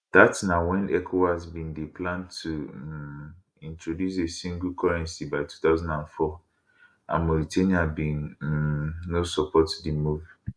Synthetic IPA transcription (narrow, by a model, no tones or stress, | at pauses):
d̥atsnawɛ̃nʔɛkʰohazbĩndeplãntʰu | ĩntɹodjus̬esĩŋɡlkʰɔɹɛ̃nsibaɪtʰu̥taʊzãndãnfɔ | a̰mɔɾitʰeniabĩn | nːosɔpʰɔtdimuv